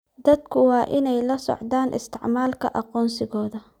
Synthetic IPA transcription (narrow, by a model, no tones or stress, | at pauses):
d̪ɐd̪kʰʊwɑːʔɪnɛjlɐsɔ̰ʕd̪aːnʔɪ̰st̪ʰɪʕmaːlkʰɐ̰ʔɑqɔːnsɪɣɔːðɐ